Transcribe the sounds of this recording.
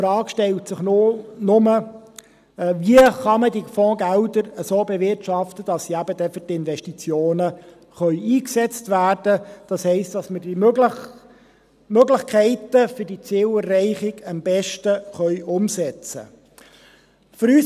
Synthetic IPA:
fɾɑːkʃtɛltsɪχnʊnʊmə | viəχɑmədifɔ̃ːɡældəɾəsoːbɛvɪrtʃɑftəd̥ɑssiæbədɛfʏtɪnvɛʃtit͡sjoːnə | χœʏiːksɛt͡stʋæːrd̥əd̥ɑshɛɪstd̥ɑsmədimøɡlə | møɡlɪχkʰɛɪtəfʏɾd̥it͡seːwərːɛɪχɪɡəmb̥ɛʃtəχœʏʔʊmsɛt͡sə̰ | fʏɾyːs

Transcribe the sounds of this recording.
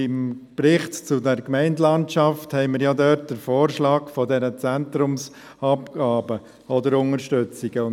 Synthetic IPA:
ɪmpɾɪχtt͡sʊdɛɾkmɛɪndlɑntʃɑfthɛɪməɾjadœɾt̚d̥əɾfoːɾʃlɑːkfɔdɛɾət͡sæntɾʊms | ɑpɡ̥ɑːbə | ɔdəɾʊŋəɾʃtʏt͡siɡ̥əʊ

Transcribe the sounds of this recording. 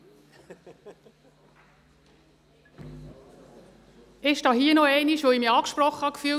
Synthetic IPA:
ɪʃd̥ɑːɦiənɔɛɪniʃʋoimiɑːkʃprɔχəhɑkfyː

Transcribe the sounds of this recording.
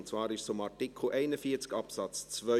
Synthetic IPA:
ntt͡svɑːɾɪʃsʊmɑtɪkʰl̩ʔɛɪnəfiːət͡skɑpsɑt͡st͡svœ

